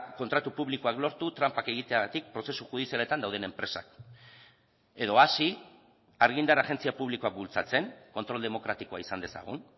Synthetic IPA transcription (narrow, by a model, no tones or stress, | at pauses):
ko̞nt̪ɾat̪upuβliko̞aklo̞ɾt̪ut̪ɾampake̞ɣ̞it̪e̞aɣat̪ik̚pɾo̞se̞suxuð̞isiale̞t̪and̪awð̞e̞ne̞mpɾe̞sa̰k | e̞ðo̞asi | aɾɣ̞ind̪aɾaʝe̞nt͡siapuβliko̞ak̚bult͡sat͡se̞ŋko̞nt̪ɾo̞ld̪emo̞kɾat̪iko̞aisand̪e̞sa̰ɣ̞ṵn